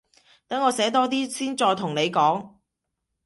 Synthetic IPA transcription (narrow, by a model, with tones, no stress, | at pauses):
t̪ɐ˨˥ŋːɔː˨˧sɛː˨˥t̪ɔː˥t̪iː˥siː˥nt͡sɔː˧jt̪ʰʊ˨˩ŋne˨˧jkɔː˨˥ŋ